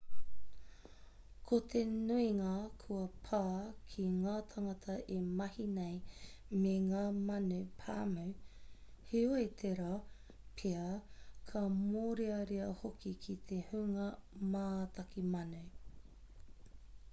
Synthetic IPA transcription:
kʰot̪ʰenuiŋakʰuɐpʰaːkʰiŋaːt̪ʰɐŋɐt̪ʰɐʔemɐhinej | meŋaːmɐnupʰa̰ːma | heoet̪ʰeɾa | pʰeɐkʰɐmoːɾeɐɾiɐhokʰikʰit̪ʰehuŋɐmaːt̪ɐkimɐnu

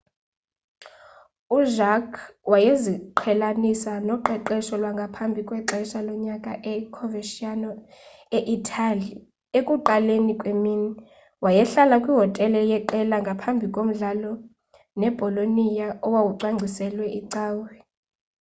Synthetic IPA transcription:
uʒakʰwajeziǃʰɛlanisanɔǃɛǃɛʃɔlwaŋɡʱapʰambʱikʼwɛǁɛʃalɔɲakʼaʔɛkʰɔveʃianɔ | eʔitʰʼali | ekʼuǃalenikʼwemini | wajɛɬalakʼwiɦɔtʼɛlɛjɛǃɛlaŋɡʱapʰambʱikʼom̩ɮalɔ | nɛb̥ʱɔlonijaɔwawuǀwaŋ͡ǀʱisɛlwɛʔiǀaːwɛ

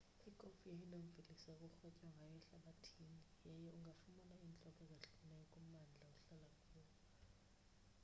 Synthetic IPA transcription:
ikʼofijeinom̩vilisakʼuxɔcʼaŋɡʱajɛɬaɓatʰinijɛjɛuŋɡʱafumanaint͡ɬʼɔkʼɔzaɬunɛɔkʼum̩and͡ɮʱauɬalakʰʼuːlɔ

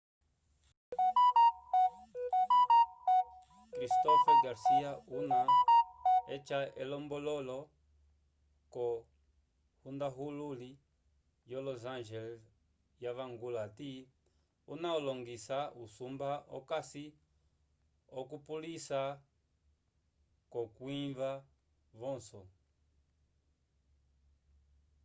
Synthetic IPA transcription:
kɾist̪ɔfaɡaɾsiauna | ɛt͡ʃaɛlɔmbɔlɔlɔ | kɔ | hund̪aɦululi | jɔlɔzanʒɛl | jaβaŋɡulati | ṵnaɔlɔŋɡisausumbaɔ̰kasi | ɔkupulisa | kɔkwiɱva | vɔ̃nsɔ

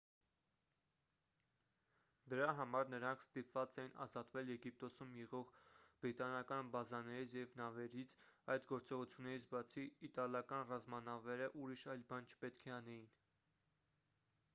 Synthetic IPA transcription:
d̪əɾɑɦɑmɑɾnəɾɑŋkʰst̪ipvɑt͡sɛjinɑ̰zɑt̪vɛljɛɡip̚t̪ɔsumjɛʁɔʁb̥ɾit̪ɑnɑkɑnbɑzɑnɛɾit͡sʰjɛvnɑvɛɾit͡sʰɑjd̪ɡɔɾt͡sɔʁut͡sʰjunːɛɾit͡sʰbɑt͡sʰiːt̪ɑljɑkɑnrɑzmɑnɑvɛɾəʔuɾiʃɑjlbɑnt͡ʃʰpɛt̪kʰɛɑnɛjin

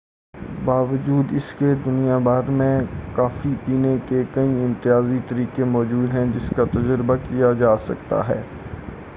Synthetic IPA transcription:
baːʋəd͡ʒuːd̪ɪsked̪ʊnijabaːɾmẽkaːfipiːnekekɐiɪ̃mt̪ɪjaːzit̪ɐɾiːkemɔːd͡ʒuːd̪ɦɛ̃d͡ʒɪskat̪ɐd͡ʒɾbakijad͡ʒaːsɐ̰k̚t̪a̰ɦɛ̰ː

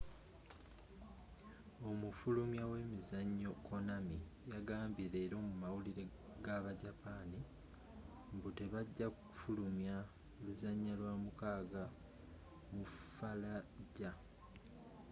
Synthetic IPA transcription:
o̞mufulumjawe̞ːmizaɲːo̞ko̞namijaɡaːmbiɾe̞ːɾo̞ːmumawuliɾe̞ | ɡaβaɟapani | mbute̞βaɟːakuku̥fulumja | luzaɲːalwamukaːɡa | mufalaɟa

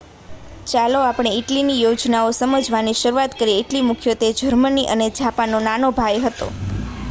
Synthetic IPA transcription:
t͡ʃaloapɳ̃eiʈlinijod͡ʒnaosəməd͡ʒʱʋaniʃəɾuat̪kəɾieʈlimukʰjot̪ed͡ʒʱəɾməniʔəned͡ʒʱapanonanobʱajɦət̪o̰

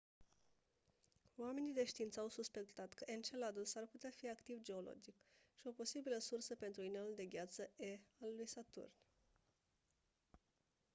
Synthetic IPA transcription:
oame̞nid̪e̞ʃt̪iint̪səawsuspe̞kt̪at̪kəʔent͡ʃelad̪ulsarput̪eafiakt̪ivd͡ʒe̞o̞lo̞̰d͡ʒikʃio̞po̞sibiləsursəpe̞nt̪ɾuineuld̪e̞ɡʲat̪səealːujsat̪ṵrn

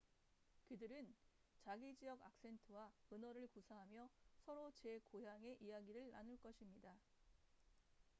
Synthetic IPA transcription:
kɯdɯɾɯnt͡ɕaɡid͡ʑijʌɡa̰k̚s͈e̞ntʰɯwaɯnʌɾɯɭkusʰaɦamjʌsʰʌɾot͡ɕe̞kojaŋe̞ʔijaɡiɾɯɭnanɯɭk͈ʌɕʰimɲida

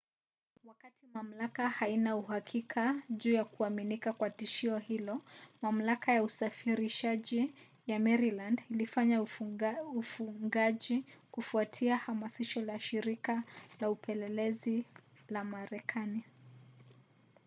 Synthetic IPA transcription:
wakatimam̩lakahainauhakʰikʰaʄuːjakuaminikakwatiʃiɔhilɔmam̩lakajausafiɾiʃaʄi | jamɛɾilandilifaɲa | ufuŋɡaʄikufuatʰiahamasiʃɔlaʃiɾikalaupʰɛlɛlɛzi | lamaɾɛkʰani

